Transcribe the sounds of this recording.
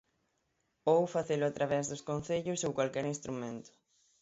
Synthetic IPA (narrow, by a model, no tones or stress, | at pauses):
owfaθelʊat̪ɾaβɛzðʊskõn̟θeʎʊsowkwalkɛɾinst̪ɾumẽnt̪ʊ̥